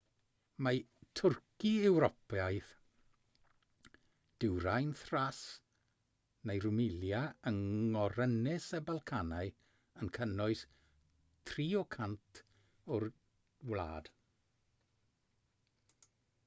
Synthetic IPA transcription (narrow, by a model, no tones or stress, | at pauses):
matʰʊrkiɛwɾɔpjajθ | d̥ɪwɾajnθras | nejrʊmɪljaəŋɔɾənɪsəbalˠkʰanaɨ | ənkʰənɔɨs | tʰriːɔkʰantʰ | ʊr | wlˠa̰ːd̥